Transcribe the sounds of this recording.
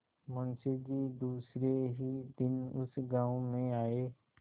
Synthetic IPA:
mə̃nsed͡ʒiːd̪uːsɾeɦid̪ɪnʊ̰sɡãːõmẽaːeː

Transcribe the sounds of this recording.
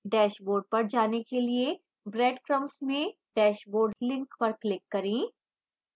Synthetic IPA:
ɖɛːʃboːɾɖ̚pɐɾd͡ʒaːnekelie | bɾɛːɖkɾɐ̃msmẽɖ̥ɛːʃboːɾɖlɪ̃ŋkpɐɾklɪkːɐɾẽː

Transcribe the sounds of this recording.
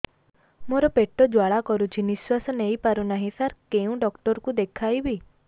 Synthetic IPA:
moɾɔpeʈɔd͡ʒwaɭakɔɾut͡ʃʰiniswasɔnejpaɾunaɦĩsaɾkeũɖɔkʈɔɾɔkud̪ekʰajbi

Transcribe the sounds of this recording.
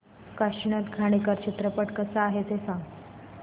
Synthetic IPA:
kaɕɳat̪ɡʱaɽ̃ikaɾt͡ɕit̪ɾəpəʈkəsaaɦet̪esãŋ

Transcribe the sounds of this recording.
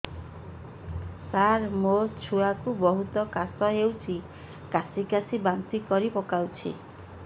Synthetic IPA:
saɾmot͡ʃʰuakubɔɦut̪ɔkasɔɦewt͡ʃʰi | kasikasibant̪ikɔɾipɔkawt͡ʃʰḭ

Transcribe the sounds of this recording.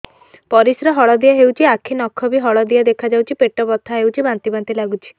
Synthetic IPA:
pɔɾisɾɔɦɔɭɔd̪ijaɦewt͡ʃʰiakʰinɔkʰːɔbiɦɔɭɔd̪ijad̪ekʰad͡ʒawt͡ʃʰipeʈɔbɔt̪ʰaɦewt͡ʃʰibant̪ibant̪ilaɡut͡ʃʰi̥

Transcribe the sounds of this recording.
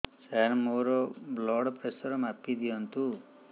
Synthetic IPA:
saɾmoɾɔblɔɽpɾesɔɾɔmapid̪iɔnt̪u

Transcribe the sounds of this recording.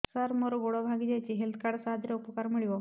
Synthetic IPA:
saɾmɔɾɔɡoɽɔbʱaɡid͡ʑajt͡ɕiɦelt̪ʰkaɽsaad̪ɾaupɔkaɾmiɭiʋɔ

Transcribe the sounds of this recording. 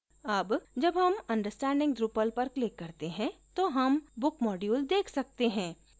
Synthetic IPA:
ɐbd͡ʒɐbɦɐmɐ̃nɖəɾsʈɛ̃ːɳɖɪ̃ŋɡɖɾupəlpɐɾklɪkːɐɾt̪eɦɛ̃t̪oɦɐmbʊkmɔːɖjuːld̪eːkʰsɐk̚t̪eɦɛ̃ː

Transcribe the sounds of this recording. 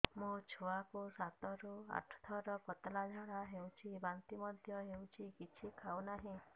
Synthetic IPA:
mũt͡ʃʰoakusat̪ɔɾua̰ʈʰɔ̥t̪ʰɔɾɔkɔt̪lad͡ʒʱaɽaɦewt͡ʃʰibant̪imɔd̪ʱjɔɦewt͡ʃʰikit͡ʃʰikʰawnaɦĩ

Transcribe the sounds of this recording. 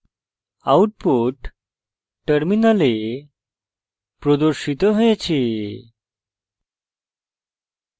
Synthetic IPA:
auʈ̚poʈ | ʈːəɾminale | pɾɔd̪əɾɕit̪ɔɦojet͡ɕʰe

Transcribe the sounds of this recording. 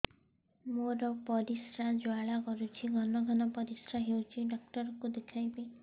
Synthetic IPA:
moɾɔpɔɾisɾad͡ʒoaɭakɔɾut͡ʃʰiɡʱɔnɔɡʱɔnɔpɔɾisɾaɦewt͡ʃʰiɖɔk̚ʈɔɾɔkud̪ekʰajbe

